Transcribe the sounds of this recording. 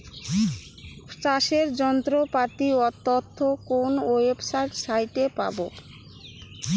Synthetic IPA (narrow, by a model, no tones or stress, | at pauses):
sʈaʃeɾd͡ʑɔnt̪ɾopaɾt̪iɔt̪ːot̪ʰːokonowebsajʈsajʈepa̰bo̰